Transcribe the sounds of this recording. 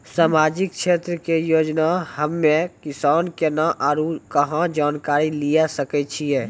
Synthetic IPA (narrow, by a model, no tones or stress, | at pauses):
saːmaːd͡ʒɪk̚ʃʰeːt̪ɾəkejoːd͡ʒnahəmːẽkɪsaːnkenaʔaːɾukəɦãd͡ʒaːnkaːɾilijasəkɛt͡ʃʰiɛː